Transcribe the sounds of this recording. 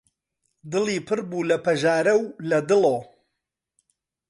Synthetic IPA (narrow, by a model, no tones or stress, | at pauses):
d̪ɨlˠiːpʰɨɾbuːlɐpɐʒaːɾɐwlɐd̪ɨloː